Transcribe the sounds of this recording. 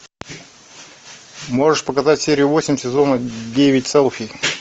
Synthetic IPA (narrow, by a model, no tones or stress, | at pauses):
mo̞ʐɨʂpəkɐzatʲsʲeɾʲɪjʊvosʲɪmʲsʲɪzo̞nədʲevʲɪt̚ʲt̪sɛlˠfʲi